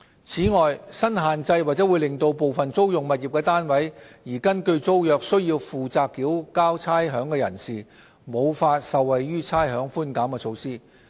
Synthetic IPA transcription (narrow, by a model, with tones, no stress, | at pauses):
t͡sʰiː˨˥ŋɔː˨jsɐ˥nɦaː˨nt͡sɐ˧jwaː˨k̚t͡sɛ˨˥wu˨˧jlɪ˨˩ŋt̪o˧wpo˨wfɐ˨nt͡so˥wjʊ˨ŋmɐ˨t̚ji˨p̚kɛː˧t̪aː˥nwɐ˨˥jjiː˨˩kɐ˥nkɵ˧ɥt͡so˥wjœː˨˧k̚sɵ˥ɥjiː˧wfuː˨t͡saː˧kːiː˨˥wkaː˥wt͡sʰaː˥jɦœː˨˥ŋkɛː˧jɐ̰˨˩nsiː˨˩ | mo˨˧wfaː˧t̚sɐ˨wːɐ˨jɥyː˥t͡sʰaː˥jɦœː˨˥ŋfuː˥nkaː˨˥mkɛː˧t͡sʰo˨˧wsiː˥